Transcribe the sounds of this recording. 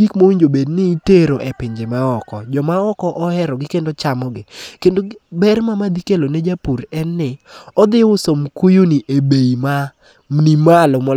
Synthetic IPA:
ikmowiɲd͡ʒobednɪːteɾoʔepɪɲd͡ʒemaɔkɔd͡ʒɔmaɔkɔʔɔɛɾɔɡɪkendot͡ʃamɔɡɪkendobɛrmamad̪ikeloned͡ʒapuɾɛnːɪɔd̪ɪʊsomkujunɪʔebeima | nimalɔmɔ

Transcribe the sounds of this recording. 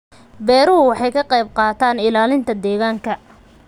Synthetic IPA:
bɛːɾʊɦʊwɑħɑjkʰɐqɑjb̚qɑːt̪ʰaːnɪlaːlɪnt̪ʰɐd̪ɛːɣaːŋkʰɐ

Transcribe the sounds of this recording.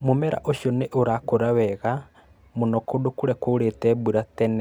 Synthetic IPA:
momɛɾa̰ʔoʃjɔneʔoɾakoɾawɛɣa | monɔkodokoɾɛkoɾetɛbuɾatɛnɛ

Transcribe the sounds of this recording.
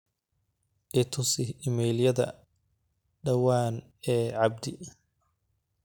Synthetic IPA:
ʔɪt̪ʰʊsɪɪmɛːljɐðɐ̰ | ɖɐwaːn | ɛːʕɑb̚d̪ɪ

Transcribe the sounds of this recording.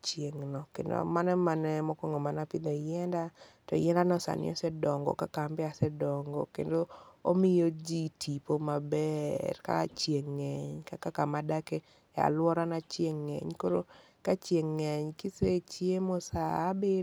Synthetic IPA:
t͡ʃjeŋnɔkḛndo̰manɛmanɛmɔkoŋɡomanapɪd̪ɔjɛndatɔ̰jɛndanɔsa̰nɪ̰ɔ̰sɛdɔŋɡɔ̰kakambɛasɛdɔŋɡɔkḛndoomɪjod͡ʒitʰipomabɛrka̰t͡ʃjeŋːɛɲkakakamadake | a̰lwɔɾanat͡ʃjeŋːɛ̰ɲkoɾo | kat͡ʃjeŋːɛɲkiset͡ʃjemosaːbe

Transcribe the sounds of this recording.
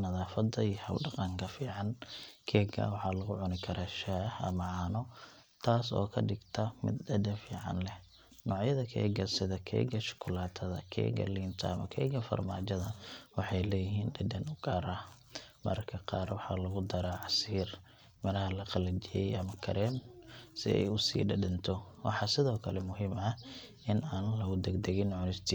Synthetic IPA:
nɐðaːfɐd̪ɐiːhɐ̰wɖɑqɑŋkʰɐfiːʕɑnkʰɛːɡɐ̰wɑħɑːlɐɣʊʕʊnɪkʰɐɾaːʃaːhɐ̰mɐʕaːnɔ | t̪ʰaːsɔ̰ːkʰɐɖɪɡt̪ʰɐmɪ̰d̪ɖɐd̪ɛnfiːʕɑ̰nlɛ | nɔːʕjɐðɐkʰɛ̰ːɡɐsɪðɐkʰɛ̰ːɡɐʃʊ̥kʰʊlaːt̪ʰɐðɐ̰kʰɛ̰ːɡɐ̰liːnt̪ʰɐɐmɐkʰɛ̰ːɡɐfɐ̰rma̰ːt͡ʃɐðɐwɑħɑjlɛːjɪɦiːnɖɐd̪ɐnʊɡ̥aːɾa | mɐ̰rkʰɐqɑːrwɑħɑːlɐɣʊd̪ɐɾaːʕɑsiːr | mɐnɐɦɐlɐqɑlɐt͡ʃɪjɛjʔɐmɐkʰɐɾɛːmsɪɛ̰jʊsḭːɖɐɖɐnt̪ʰɔwʔɑ̰ħɑsɪðɔːkʰɐlɛmʊɦiːmɐ | ʔɪnaːnlɐɣʊd̪ɛɡd̪ɛɣɪnːʕnɪst̪ʰɪ

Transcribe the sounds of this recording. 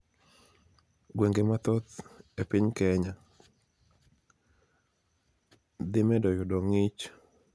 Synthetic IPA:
ɡweŋɡemat̪ɔt̪epɪɲkɛɲa | d̪ɪmɛdɔjɔdɔŋɪt͡ʃ

